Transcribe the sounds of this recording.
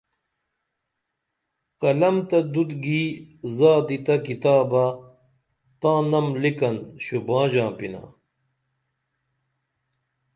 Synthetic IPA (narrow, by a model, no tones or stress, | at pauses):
qɐlɐmt̪ɐd̪ud̪ɡiːzaːd̪it̪ɐkit̪aːba | t̪ãːnɐmlikɐnɕubãːd͡ʑãːpina̰